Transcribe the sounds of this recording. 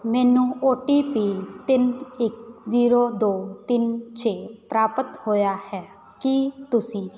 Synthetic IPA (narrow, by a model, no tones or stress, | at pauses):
mɛːnũːoːʈiːpiːt̪ɪnɪk̚ziːɾoːd̪oːt̪ɪnt͡ʃʰeːpɾaːpət̪hoːjaːhɛː | kɪt̪ʊsĩː